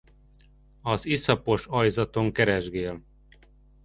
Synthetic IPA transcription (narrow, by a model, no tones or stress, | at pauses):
ɒzisɒpo̞ʃɒjzɒt̪o̞ŋkɛɾɛʒɡeːl